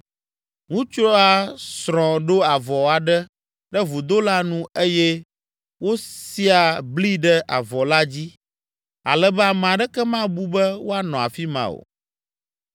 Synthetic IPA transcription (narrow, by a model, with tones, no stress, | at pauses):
ŋũ˦t͡ʃɾɔ˦a˨sɾɔ̃˨ɖo˦a˨vɔ˨a˨ɖɛ˦ | ɖɛ˦vu˨d̪o˦la˦nũ˦e˦jɛ˦ | wo˦si˦a˨bli˦ɖɛ˦ʔa˨vɔ˨la˦d͡ʑi˦ | a̰˨lɛ˨bɛ˦a˨m˨ã˨ɖɛ˦kɛ˦mã˦bu˦bɛ˦wo˦a˦nɔ̃˨a˨fi˦mã̰˨o̰˨